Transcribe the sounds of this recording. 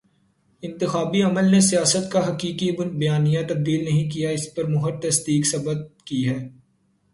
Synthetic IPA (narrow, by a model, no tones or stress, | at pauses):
ɪ̃nt̪ɪxaːbiɐməlnesijaːsət̪kaɦɐkiːkibɐjaːnijãt̪ɐb̚d̪iːlnɐɦĩk̬ijaɪspɐɾmʊɦəɾ̚t̪ɐsd̪iːksɐbət̪̚kiɦɛː